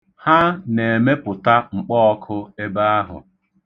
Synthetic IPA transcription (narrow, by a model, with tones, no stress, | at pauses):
ha˦ne˨e˨me˦pʊ˨ta˦ŋ͡m̩˨k͡pɔ˦ɔ˦kʰʊ˦e˦ba˦a˦ɦʊ̰˨